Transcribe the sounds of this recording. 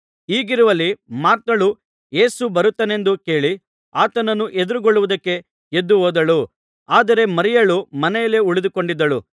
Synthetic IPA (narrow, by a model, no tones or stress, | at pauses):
iːɡiɾuʋɐlːimaːɾt̪ːɐɭu | je̞ːsubɐɾut̪ːɐne̞nd̪uke̞ːɭi | aːt̪ɐnɐnːuʔe̞d̪uɾuɡoɭːuʋud̪ɐkːe̞ | ed̪ːuɦoːd̪ɐɭu | aːd̪ɐɾe̞mɐɾijɐɭumɐnɛjɐle̞uɭid̪uko̞ɳɖid̪ːɐɭu